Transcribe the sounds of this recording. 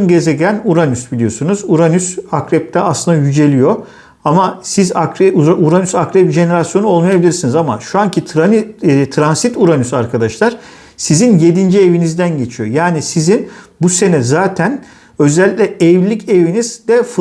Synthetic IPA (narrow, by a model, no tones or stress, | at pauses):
nɟe̞zɛɟænuɾanysbilʲijo̞sunuzuɾanysakɾɛp̚t̪ʰɛaslɯnd̪ajyd͡ʒe̞lʲijo̞ | amasizakɾɛuaʔuɾanysakɾɛpʒe̞ne̞ɾasjo̞nuo̞lˠmajabilʲiɾsinizama̰ʃuancʰit̪ʰɾanit̪ʰɾansit̪uɾanysaɾkʰad̪aʃlˠaɾ̥ | sizinje̞d̪ind͡ʒie̞vinizd̪ænɟe̞t͡ʃʰijo̞jaːnisizinbuse̞nɛzaːt̪ʰæn | ø̞zɛlʲːicʲlʲɛɛvlʲicʰe̞viniz̥d̪ɛfɯ